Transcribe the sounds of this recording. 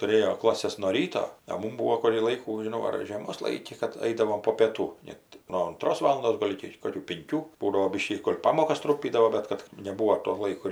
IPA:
tʊˈrʲeːjoː ˈklˠɑːsʲɛs nuɔ ˈrʲiːtoː ɐ ˈmʊm ˈbuːoː kʊrʲiː ˈlˠɐɪkuː ʒʲɪˈnɐʊ ɐr ʒʲeːˈmoːs ˈlˠɐɪkʲɪ kɐt ˈɐɪdɐʋoːm poː pʲiɛˈtuː ˈnʲɛt noː ʊnˈtroːs ˈʋɑːlˠʊndoːs ˈɡoːlʲ ɪkʲɪ ˈkoːkʲuː pʲɪŋʲˈkʲuː ˈbuːdɐʋoː ˈbʲiːʃʲkʲiː ɡoːlʲ ˈpɑːmoːkɐs ˈtrʊmʲpʲiːdɐʋoː ˈbʲɛt kɐt nʲɛˈbuːoː toː ˈlˠɐɪkoː

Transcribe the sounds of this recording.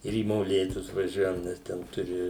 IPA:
ɪr iː moːˈlʲeːtʊs ʋɐˈʒʲuɔjɛm nʲɛs ˈtʲɛn ˈtʊrʲɪ

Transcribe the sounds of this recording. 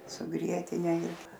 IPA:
sʊ ˈɡrʲiɛtʲɪnʲɛ ɪr

